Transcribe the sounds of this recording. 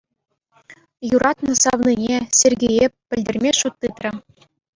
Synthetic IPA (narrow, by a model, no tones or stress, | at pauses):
juɾʔɑt̪nɤ̆sɑʋninʲesʲerʲɡʲejepʲːɘ̆lʲdʲɘ̆rʲmʲeʃut̪ːɯt̪rʲɘ̆